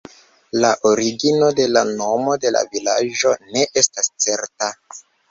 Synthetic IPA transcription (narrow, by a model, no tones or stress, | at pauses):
laʔoɾiɡino̞de̞lano̞mo̞de̞la̰vila̰d͡ʒo̞ne̞ʔe̞stast͡se̞ɾta